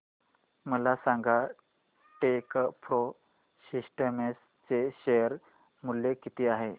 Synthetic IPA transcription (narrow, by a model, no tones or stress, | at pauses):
məlasaŋɡa | ʈekpʰɾo | sisʈəmes | t͡seɕejəɾ | mulːekit̪iaɦe